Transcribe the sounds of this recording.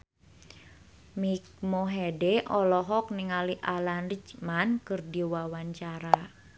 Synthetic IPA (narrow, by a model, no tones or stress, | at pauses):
mik̚moɦedɛʔɔlɔɦɔk̚niŋaliʔalanrit͡ʃmankɨrdiwawaɲt͡ʃaɾa